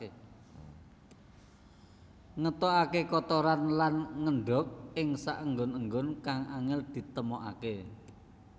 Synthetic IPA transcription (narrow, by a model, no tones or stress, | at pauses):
ŋət̪ɔakekɔt̪ɔɾanlanŋəɳɖɔk̚ɪŋsa̰ʔəŋɡʊnəŋɡʊnkaŋʔaŋɪld̪̥i̤t̪əmɔʔa̰ke